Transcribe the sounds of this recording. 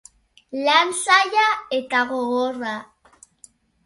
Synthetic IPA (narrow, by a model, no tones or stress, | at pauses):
lansaʎaet̪aɣoora